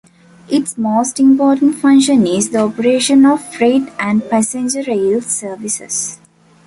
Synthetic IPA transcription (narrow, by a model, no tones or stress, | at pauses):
ʔiʈsmoːsʈĩmpɔːʈə̃ɳʈfʌ̃ŋʃə̃nizd̪əɔpəɾeːʃə̃nɔʋfɾeːʈæ̃ɳɖpæsẽnd͡ʒəɾeːlsəːɾʋisḛs